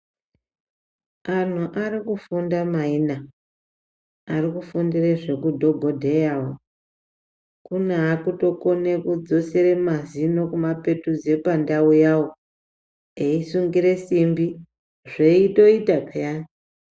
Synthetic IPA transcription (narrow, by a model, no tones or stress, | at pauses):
an̤uʔarikufundamaina | arikufundireʐe̞kudʱo̞ɡʱo̞dʱe̞jawo | kuneɦakuto̞kone̞kud͡zo̞seremazino̞kumape̞tuze̞pandaujawo | eisuŋɡiɾe̞simbi | ʐeito̞itakajana